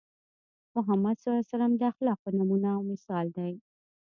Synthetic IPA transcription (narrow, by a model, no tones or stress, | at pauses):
mʊɦamːad̪sɑlasaɾamd̪əaxlɑq̚pənamunaːwmɪsɑld̪aj